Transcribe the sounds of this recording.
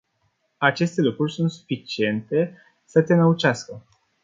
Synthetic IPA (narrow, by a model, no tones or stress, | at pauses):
at͡ʃe̞st̪e̞lukɾurʲsunt̪su̥fit͡ʃie̞nt̪e̞ | sət̪e̞nəut͡ʃaskə